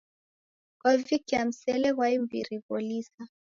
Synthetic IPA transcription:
kwavikiam̩sɛlɛɣwaimbḭɾiɣɔlisa

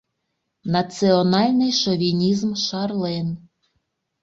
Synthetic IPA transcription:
nɐt̪sɪɔnɑlʲnɪjʃɔʋʲinʲizmʃɑrlˠɛn

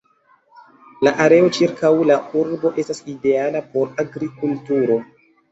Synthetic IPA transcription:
laʔaɾe̞o̞t͡ʃiɾkʰawlauɾbo̞ʔe̞staside̞alapo̞ɾaɡɾikultuɾo̞

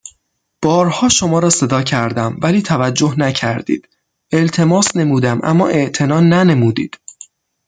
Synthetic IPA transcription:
b̥ɒːɾhɒːʃo̞mɒːɾɒːse̞d̪ɒːcʰæɾd̪æmvæliːt̪ʰævæd͡ʒːo̞hnæcʰæɾd̪ḭːd̪̥ | e̞lt̪ʰe̞mɒːsne̞muːd̪æmʔæ̰mːɒ̰ːʔe̞ʔt̪ʰe̞nɒːnæne̞muːd̪iːd̪̥

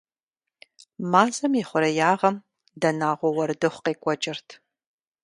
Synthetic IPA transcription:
maːzɐmiχʷʊɾɐjaːʁɐm | dɐnaːʁʷɔwɐɾɨdɨχʷqeːkʷʼɔt͡ʃʼɪrtʰ

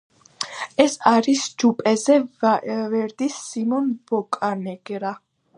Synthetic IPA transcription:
ɛsaɾisd͡ʒupʼɛzɛvavɛɾd̪isːimɔnb̥ɔkʼanɛɡɾa

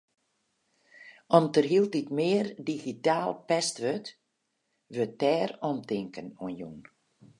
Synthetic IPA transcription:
ɔmtərɦilˠt̚itmɪːərdiɣitaːlˠpɛstʋøt | ʋøtɛːrɔmtɪŋkənuənjṵn

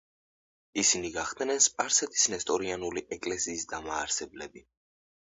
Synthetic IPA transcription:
isiniɡaχd̪nɛnspʼaɾsɛt̪ʰi̥snɛst̪ʼɔɾianuliʔɛkʼlɛsiːsd̪amaːɾsɛblɛbi

